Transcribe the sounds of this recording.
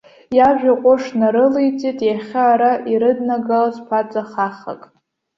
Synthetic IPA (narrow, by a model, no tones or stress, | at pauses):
jaʒᶣaqʷʼʊʂnaɾɨlejt͡sʼitʼjaχʲaːɾaʔiɾɨdnaɡalzpʰat͡sʼaχaχa̰kʼ